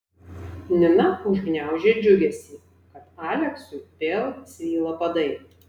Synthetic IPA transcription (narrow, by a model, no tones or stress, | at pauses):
nʲɪnɐʊʒʲɡnʲæˑʊʒʲeːd͡ʒʲʊɡʲɛsʲiː | kɐt̪ɑːlʲɛksʊɪpʲeːlˠsʲʋʲiːlˠɐpɐd̪ɐɪ